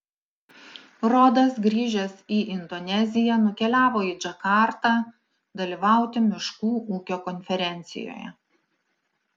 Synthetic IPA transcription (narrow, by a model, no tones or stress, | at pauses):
ɾoːd̪ɐsɡɾʲiːʒʲɛsiːʔɪnd̪ɔnʲɛzʲɪjɛnʊkʲɛlʲæːʋoːiːd͡ʒɐkɑˑɾt̪ɑː | d̪ɐlʲiːʋɑˑʊt̪ʲɪmʲɪʃkuːʔuːkʲoːkɔnʲfʲɛɾʲɛnʲt̪sʲɪ̰jo̰ːjɛ̰